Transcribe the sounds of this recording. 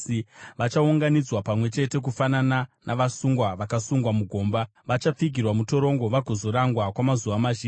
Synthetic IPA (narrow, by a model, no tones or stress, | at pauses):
iʋat͡ʃauŋɡanid͡zwapamwe̞t͡ʃe̞te̞k̬ufanananʔaʋasuŋɡwaʋakasuŋɡwamuɡʱoːmba | ʋat͡ʃap͡fiɡʱirwamuto̞ɾo̞ŋɡo̞ʋaɡʱozoɾaŋɡwakwamazuʋamaʃiː